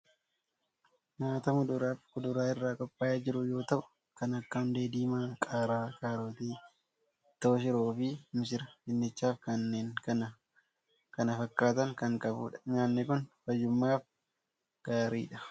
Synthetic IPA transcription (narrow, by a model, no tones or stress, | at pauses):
maːt̪ɐmʊd̪ʊɾaːfkʊd̪ʊɾaːɪrːaːkʼɔpʼːaːjad͡ʒɪɾʊjo̞ːt̪ɐʔʊ̥ | kɐnɐkːɐʊnd̪eːd̪iːmaːkʼaːɾaːkʼaːɾoːt̪iː | t̪ːɐːʃ̬ɪɾoːfɪmɪsɪɾɐd͡ʒɪnːɛt͡ʃːaːfkɐnːeːŋkɐnɐ | kɐnɐfɐkːaːt̪ɐŋkɐŋkʼɐbṵːᶑɐ̥ɲaːnːɛkʊnfɐjːʊmːaːf | ɡ̥aːɾḭːᶑɐ